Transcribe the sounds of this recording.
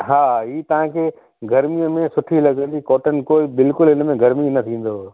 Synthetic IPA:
ɦaːiːt̪ɐʋ̤ãkʰeː | ɡɐɾmiə̃mẽsʊʈʰilɐɡə̃nd̪ikɔːʈən̆koːibɪlkʊlɦɪnmẽɡɐɾminɐt̪ʰĩːn̆d̪oː

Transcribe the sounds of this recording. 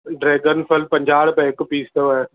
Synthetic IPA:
ɖɾeːɡənpʰəlpɐ̃ɲd͡ʑaːɽpɛ̃ɪkpiːst̪əɛ

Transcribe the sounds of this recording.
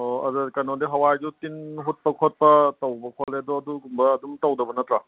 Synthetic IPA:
ɐ̰zɐɾkɐnɔdiɦɐwajd͡ʒutinɦut̚pɐkʰot̚pɐtɐwbɐkʰɔleɐdɔɐduɡumbɐːdumtɐwdɐbɐnɐt̪ɾa

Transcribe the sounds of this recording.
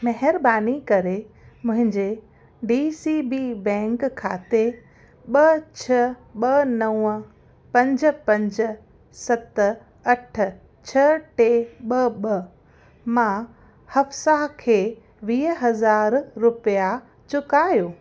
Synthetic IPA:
mɐɦɪɾbaːnikɐɾe | mʊ̃ɦɪ̃ɲd͡ʑe | ɖiːsibiːbɛ̃ːŋkkʰːa̰ːt̪e | ɓɐt͡ɕʰɐɓɐnɐwə̃ | pɐ̃ɲd͡ʑ̆pɐ̃ɲd͡ʑ̆ | sɐt̪̆ | ɐʈ̆ʰ | t͡ɕʰɐʈeɓɐɓɐ | mã | hɐfsakʰeː | ʋiːɦɐzaːɾːʊpija | t͡ɕʊkaːjoː

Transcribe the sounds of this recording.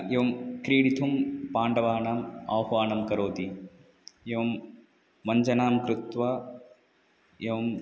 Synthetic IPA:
eʋɐmkɾiːɽit̪ʰumpaːɳɖɐʋaːnaːmɐ̰ːwɦʋaːnɐmkɐɾoːt̪i | jɐʋɐm | ʋɐɲd͡ʒɐnaːmkɾut̪ʋa | jɐʋɐm

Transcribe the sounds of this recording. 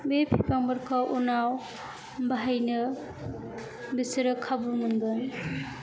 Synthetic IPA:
bepʰipaŋbɯɾkʰɔwʔunaw | bʱajnɯ | bisɾɯkʰːabumɯnɡɯn

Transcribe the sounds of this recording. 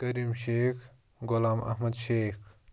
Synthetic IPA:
kɐɾimʃeːkʰ | ɡʊlaːmɐ̰hmɐd̪ʃeːkʰ

